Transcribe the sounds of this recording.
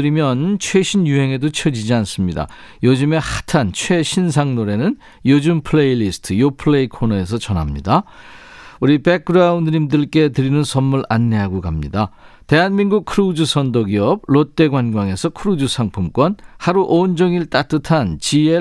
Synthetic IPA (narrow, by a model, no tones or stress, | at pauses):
ɯɾimjʌnt͡ɕʰwe̞ɕʰinjuɦe̞ŋe̞dot͡ɕʰʌd͡ʑid͡ʑians͈ɯmɲida̰ | jod͡ʑɯme̞hatʰant͡ɕʰwe̞ɕʰins̬ʰaŋnoɾe̞nɯn | jod͡ʑɯmpʰɯɭeilisʰɯ̥tʰɯjopʰɯɭeikʰonʌe̞sʰʌt͡ɕʌnɦamɲḭda | uɾipek̚ɯɾaundɯɾimdɯɭk͈e̞tɯɾinɯnsʰʌmːuɭanːe̞ɦaɡokamɲida | te̞ɦanminɡuk̚kʰɯɾud͡ʑusʰʌndoɡiʌb̚ɭot͈e̞ɡwanɡwaŋe̞sʰʌkʰɯɾud͡ʑusʰaŋpʰumk͈wʌnhaɾuʔond͡ʑʌŋiɭt͈at͈ɯtʰant͡ɕie